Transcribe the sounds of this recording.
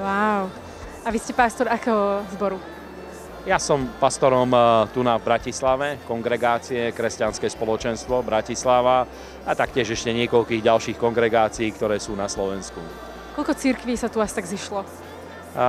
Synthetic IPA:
waʊ | aʋiscɛpast̪ɔɾakɛɦɔzbɔɾu | jasɔmpast̪ɔɾɔmt̪unavbɾacislaʋɛkɔŋɡɾɛɡaːt͡siɛkɾɛscanskɛːspɔlɔt͡ʃɛnst̪ʋɔbɾacislaʋa | at̪akcɪɛʒɛʃcɛɲɪɛkɔʎkiːɣɟalʃiːxkɔŋɡɾɛɡaːt͡siiːkt̪ɔɾɛːsuːnaslɔʋɛnskṵ | kɔlʎkɔt͡siɾkʋiːsat̪uast̪aɡziʃlɔ

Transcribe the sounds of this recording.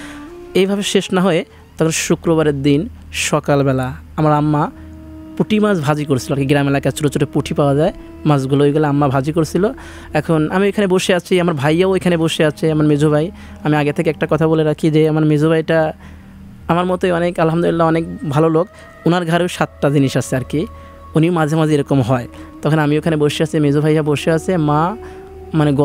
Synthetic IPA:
ejbʱabeʃeʃnaɦɔe | t̪ɔkʰonʃukɾoβaɾeɾd̪in | ʃɔkalbɛla | amaɾamːa | puʈimad͡ʑbʱad͡ʑikoɾesʰiloaɾkeɡɾamelakat͡ɕoɾot͡ɕːoɾepuʈʰipaoad͡ʑae | mad͡ʑɡuloeɡoleamːabʱad͡ʑikoɾesʰilo | ɛkʰonamioekʰaneboʃeat͡ɕʰiamaɾbʱajaoekʰaneboʃeat͡ɕʰeamaɾmed͡ʑʱobaj | amiaɡet̪ʰekeɛk̚ʈakɔt̪ʰaboleɾakʰid͡ʑeamaɾmed͡ʑʱobʱajʈa | amaɾmɔt̪oeɔnekalɦamd̪olilːaɔnek̚bʱalolok | unaɾɡʱaɾewʃat̪ʈad͡ʑiniʃasʰeaɾki | uniwmad͡ʑʱemad͡ʑʱeeɾɔkomɦɔet̪ɔkʰonamioekʰaneboʃiasʰemed͡ʑobʱajaboʃeasʰema | maneɡ

